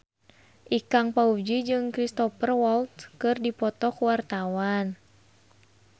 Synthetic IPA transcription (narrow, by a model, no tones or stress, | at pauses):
ʔikaŋpaud͡ʒid͡ʒɨŋkɾist̪ɔpərwɔlt̪̚kɨrdipɔt̪ɔkwart̪awan